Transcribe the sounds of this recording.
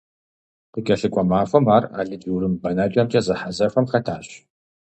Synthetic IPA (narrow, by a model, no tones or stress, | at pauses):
qikʲʼɐɬɨkʷʼɔmaːfɐmaːra̰ːɮɨd͡ʒiwɾɨmbɐnaːt͡ʃʼɐmt͡ʃʰʼɐzɨħazɐfɐmχɐtʰaːɕ